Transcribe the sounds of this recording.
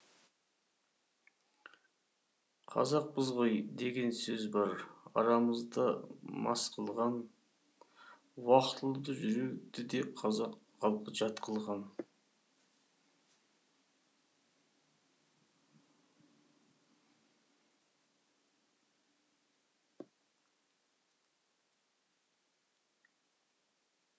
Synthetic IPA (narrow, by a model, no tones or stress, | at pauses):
qʰɑ̰zɑq̚bəzʁojd̪e̞ɡʲe̞nsɵzbɑɾɑ̰ɾɑməzd̪ɑmɑ̰sqʰəlˠʁɑn | wɑqt̪əlˠəd̪əʒʏɾed̪ɪd̪e̞qʰɑzɑqːɑlˠqəʒɑt̪qʰəlˠʁɑn